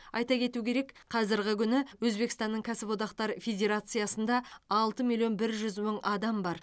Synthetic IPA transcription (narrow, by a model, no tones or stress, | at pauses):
ɑjt̪ɑkʲʰe̞t̪ukʲʰe̞ɾe̞kqʰɑzɪɾɡʲɪkʲʰʏnɪwɵzbe̞kəst̪ɑnːəɴkʲʰæsɪpwo̞t̪ɑqt̪ɑɾfʲe̞dʲe̞ɾat̪sɨijɑsənd̪ɑːlˠt̪əmʲilʲːjo̞nbɪɾʒʏzməɴʔɑd̪ɑmbɑɾ